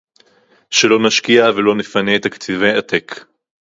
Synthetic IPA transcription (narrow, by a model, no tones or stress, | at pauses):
ʃelo̞naʃkiavelo̞nefaneːt̪akt͡sivejat̪ek